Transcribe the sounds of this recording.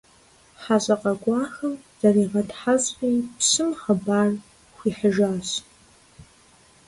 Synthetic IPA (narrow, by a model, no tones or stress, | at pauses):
ħaɕʼɐqʼɐɡʷʼɑːxɐm | z̥ariːʁɐdħazʼqiːpsɨmχəbaːr | xʷiħəʒaːs